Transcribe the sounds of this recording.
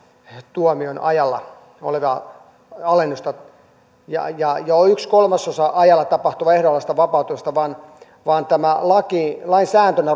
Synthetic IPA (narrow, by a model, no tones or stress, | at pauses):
t̪uomionɑ̰jɑlːɑ̰ | o̰leʋɑ | ɑlenːust̪ɑ | jɑ̰jɑjɑoykskolmɑsosɑʔɑjɑlːɑt̪ɑpɑht̪uʋɑehɾoɑlːɑst̪ɑʋɑpɑˑut̪umest̪ɑʋɑːn | ʋɑːnt̪æmælɑkilɑinsæːnt̪ønæ